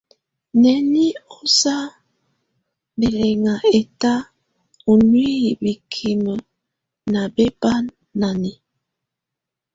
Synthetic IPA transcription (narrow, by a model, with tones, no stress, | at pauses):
nɛ˨ni˦o˦sa˦ | be˨le˨ŋa˨e˨ta˦ | o˨nwi˦i˨bi˨kʰi˨mə˨ | na˨be˦ba˦nː | a˨ni˨